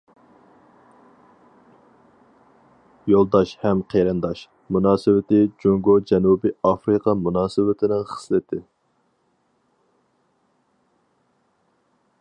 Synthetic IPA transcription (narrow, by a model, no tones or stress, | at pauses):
jolˠd̪ɑʃhɛmqʰeɾɨnd̪ɑʃ | munɑːsɪwɪt̪ɪd͡ʒoŋɡod͡ʒɛnubiɑfɾɨqʰɑmunɑːsɨwɪt̪ʰɪnɪŋχə̥slɪt̪ʰɪ